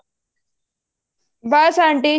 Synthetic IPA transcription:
basaɳʈi

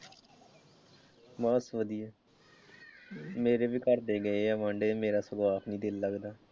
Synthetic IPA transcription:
maːsʋəd̪ijɛː | meːɾeːbiːkəɾd̪eːɡəeːɛːʋãːɳɖeːmeːɾaːsʊɡaːpʰniːd̪ɪlːəɡd̪aː

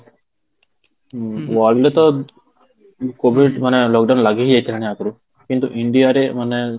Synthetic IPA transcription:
ʋaɾlet̪ɔ | kobiɖm̤ənelɔk̚ɖawnlaɡeɦijejt̪ʰeanejakəɾu | kint̪ṵʔiɳɖijaɾem̤ənːe

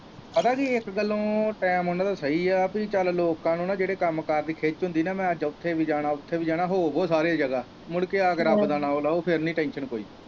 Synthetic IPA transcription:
pət̪ãːkiɪkɡəlõːʈɛːmɦoːnaːt̪aːsəiːaːpit͡ʃaːlloːkãːnũːnãːd͡ʒeːɽeːkəmkəɾd̪iːkʰeːt͡ʃɦʊ̃nd̪iːnãːmɛ̃ːəd͡ʒʊt̪ʰːeːʋiːd͡ʒaːɽ̃aːʊt̪ʰːeːʋiːd͡ʒaːɽ̃aːɦoːboːsaːɾeːd͡ʒəɡaː | mʊɽkeːaːkəɾaːpd̪aːnaːoːlaːoːpʰɪɾnĩːʈɛ̃ːnʃənkoːḭː

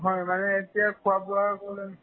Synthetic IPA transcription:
ɦɔjmanɛetijakʰuabʊakolɛ

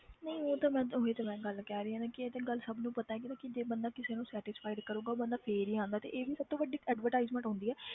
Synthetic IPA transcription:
nəĩoːt̪aːmɛ̃ːoeːt̪amɛ̃ːɡəlkɛːɾeːãːnãːkɪeːt̪ẽːɡəlsəbnũːpət̪aːɛkɪnãːkɪd͡ʒeːbənd̪aːkɪseːnũːsɛːʈɪspʰaːɪɖkəɾuːɡaːoːbənd̪aːpʰeːɾiːãːnd̪aːt̪ḛːʔeːʋiːsəb̚t̪õːʋəɖiːɛːɖʋəɾʈaːɪzmə̃ɳʈɔ̃ːnd̪iːɛː

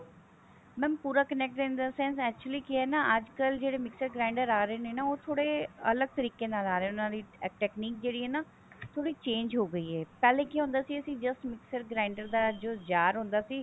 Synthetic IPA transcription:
mɛ̃ːmpuːɾaːkənɛːk̚ʈɾẽːnd̪aːsɛ̃ːnsɛːk̚t͡ʃuliːkɪɦɛːnaːʔəd͡ʒkəld͡ʒeːɽeːmɪksəɾɡɾaːɪ̃ɳɖəɾaːɾəeːneːnaːoːt̪ʰoːɽeːə̰ləɡ̚t̪əɾiːkeːnaːlaːɾeːʊnãːd̪iːʈɛːkniːk̚d͡ʒeːɽiːɦɛːnaː | t̪ʰoːɽiːt͡ʃẽːɲd͡ʒɦoːɡəiːɦɛːpɛːlẽːkiːɦʊ̃ːnd̪aːsiːəsĩːd͡ʒəsʈmɪksəɾɡɾaːɪɳɖəɾd̪aːd͡ʒod͡ʒaːɾɦʊ̃nd̪aːsiː

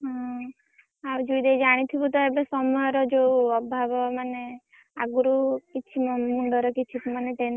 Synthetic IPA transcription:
ɦɔ̃ | awd͡ʒujd̪ejd͡ʒaɽ̃it̪ʰibut̪̬ɔebesɔmɔjɔɾɔd͡ʒeuɔbʱabɔmane | a̰ɡuɾukit͡ʃʰimɔmuɳɖɔɾɔkit͡ʃʰipmaneʈen

